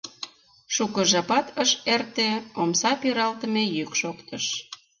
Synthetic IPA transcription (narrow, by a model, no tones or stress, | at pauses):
ʃukə̆ʒɑpɑt̪əʃert̪eomsɑpiɾɑlt̪ə̆mejykʃokt̪əʃ